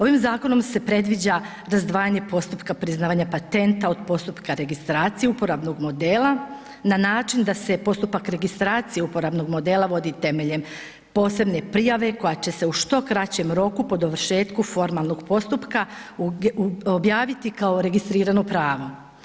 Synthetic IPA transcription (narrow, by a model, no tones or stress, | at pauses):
o̞ʋimzaːko̞no̞mse̞pɾe̞d̪ʋid͡ʑa | ɾazd̪ʋaːjaɲe̞po̞st̪upkapɾiznaːʋaɲapat̪e̞nt̪ao̞d̪po̞st̪upkaɾe̞ɡist̪ɾaːt̪sijeupo̞ɾabno̞ɡmo̞d̪e̞ːlˠa | nanaːt͡ʃind̪ase̞po̞st̪upakɾe̞ɡist̪ɾaːt̪sijeupo̞ɾabno̞ɡmo̞d̪e̞ːlˠaʋo̞d̪it̪e̞me̞ʎe̞m | po̞ːse̞bne̞pɾijaʋe̞ko̞jat͡ɕe̞se̞uʃt̪o̞kɾat͡ɕe̞mɾo̞kupo̞d̪oʋɾ̩ʃe̞ːt̪kufo̞ɾmalˠno̞ɡpo̞st̪upka | objaːʋit̪ikao̞ɾe̞ɡist̪ɾiːɾanopɾaːʋo̞